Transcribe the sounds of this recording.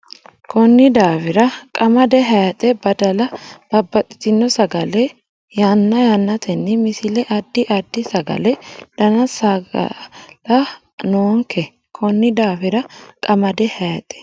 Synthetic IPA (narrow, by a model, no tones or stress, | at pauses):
kʰɔnːɪd̪aːfɪɾɐkʼɐmɐd̪ɛɦɐjɐt̪ʼɛbɐd̪ɐlɐb̥ɐbːɐt̪ʼɪ̥t̪ɪnːɔsɐɡɐlɛ | janːɐjanːɐt̪ʰɛnːɛmɪsɪlɛʔɐd̪ːɪʔɐd̪ːɪsɐɡɐ̰lɛd̪̥ɐnɐsɐɡɐ̰lɐ | noːŋkɛ | kʰɔnːɪd̪aːfɪɾɐkʼɐmɐd̪ɛhɐjt̪ʼɛ̥